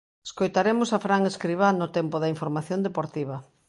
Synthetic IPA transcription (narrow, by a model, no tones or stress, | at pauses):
e̥skojt̪aɾemʊsafɾaŋeskɾiβ̞anʊt̪ɛmpʊðɐiɱfoɾmaθjond̪epoɾt̪iβ̞ɐ